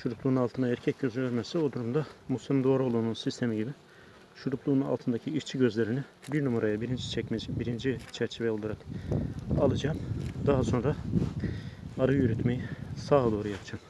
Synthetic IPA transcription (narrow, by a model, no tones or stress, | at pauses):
ʃuɾuplˠuːnunalˠt̪ʰɯnaɛɾcʰɛc̚ɟøzylʲøɾmɛsɛo̞d̪uɾumd̪amusʲˠimimd̪o̞aɾuo̞lˠununsist̪ʰe̞miɟibi | ʃuɾupʰlˠuːnuna̰lˠt̪ʰɯnd̪acʰiiʃt͡ʃʰiɟø̞zlʲe̞ɾini | biɾnumaɾajabiɾind͡ʒit͡ʃʰɛcd͡ʒbiɾind͡ʒit͡ʃʰæɾt͡ʃʰivɛjolˠaɾak | alˠɯd͡ʒaːmd̪aɦaso̞nɾa | aɾɯjyɾyt̪mejisaːd̪o̞ːɾujapʰd͡ʒaːm